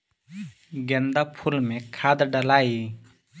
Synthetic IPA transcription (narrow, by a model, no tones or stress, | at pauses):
ɡɛnd̪apʰulmekʰad̪əɖalaji